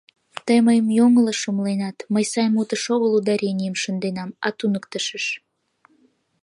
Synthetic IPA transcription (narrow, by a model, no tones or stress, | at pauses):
t̪əjməjəmjoŋələʃəmlenɑt̪məjsɑjmut̪əʃoɣəlud̪ɑɾʲenʲijəmʃənd̪enɑmɑ̰t̪unəkt̪əʃəʃ